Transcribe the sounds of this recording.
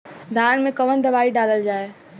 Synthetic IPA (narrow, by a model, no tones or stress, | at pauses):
d̪ʱaːnmẽkəʋənd̪ɐbaːiɖaːləld͡ʒaːe